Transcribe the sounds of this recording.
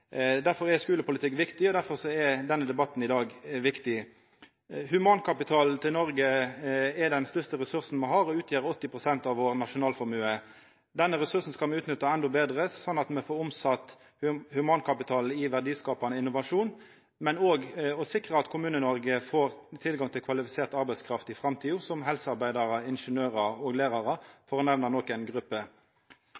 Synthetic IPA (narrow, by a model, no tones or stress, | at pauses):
d̪æɾfɔʁɛskʉːləpʊlɪt̪ʰɪkːʋɪkt̪ɪɔd̪æɾfɔʁsɔɛd̪ɛnːəd̪ɛbɑt̪ːn̩ɪd̪ɑːɡʋɪkt̪ɪ | hʉmɑnkʰɑpɪt̪ʰɑːlt̪ʰɪlnɔɾɡə | ɛd̪ɛnst̪œʁst̪əɾɛsʉʁsn̩mɛhɑːɾɔʉːt̪ʰjeːɾɔt̪ːɪpʁʊsɛnt̪ɑʋoːʁnɑʂʊnɑːlfɔʁmʉːə | d̪ɛnːəɾɛsʉɾsn̩skɑlmɛʉːt̪nʏt̪ːɑɛnd̪ɔbeːd̪ʁəsɔnːɑt̪mɛfoːɾʊmsɑt̪ː | hʉmɑnkʰɑpɪt̪ʰɑːl̩ɪʋæʁd̪iːskɑːpɑnəɪnːʊʋɑʂuːn | mɛnoːɡɔsɪkʁəɑt̪kʰʊmʉːnənɔʁɡəfoːʁt̪ʰɪlɡɑŋt̪ʰɪlkʰʋɑlɪfɪseːʁt̪ɑʁbæɪskʰɾɑft̪ɪfʁɑmt̪ʰiːʊsɔmɦɛlsəɑʁbæɪd̪ɑʁəɪnʂənøːʁɑoɡlæːʁɑʁəfɔʁɔnɛʋnɑnɔkːæɪnɡʁʉpːə